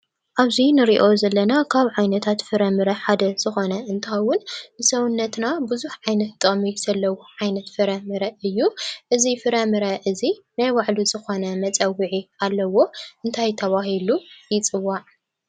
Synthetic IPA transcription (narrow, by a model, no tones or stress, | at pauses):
ʔaβzinɨɾiʔo̞zɐlːɐnakʰaβʕajnɐt̪ʰat̪fɨɾɐmɨɾɐħad̪ɐz̥ɨxo̞nɐʔɨnt̪ʰawʊnɨsɐwʊnːɐt̪nabɨzuħʕajnɐt̪t̪ʼɐχʼmiz̥ɐlːɐwoʕajnɐt̪fɨɾɐmɨɾɐɨjːuʔɨzifɨɾɐmɨɾɐʔɨzi | najwaʕluzɨxo̞nɐmɐt͡sʼɐwiʕialːɐwo̞ʔɨnt̪ʰajt̪ʰɐβaɦilujɪt͡sʼɨwːaʕ